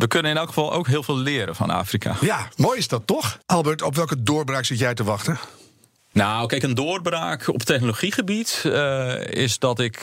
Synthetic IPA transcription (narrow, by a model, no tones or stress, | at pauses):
ʋəkønənɪnɛlˠkxə̥fɑlˠo̰wkɦɪəlˠvɪːlˠlɪəɾə̰fɔ̰na̰ːfrikʰa̰jamoːjɪsdɔtːɔxɑlˠbəɹtɔpʋɛlˠkədoːrbraːksɪtjɛjtəʋɑxtə | nawkɛkəndoːərbraːkɔ̰ptɛxnoloxiχəbit | ɪ̰sdɔtɪk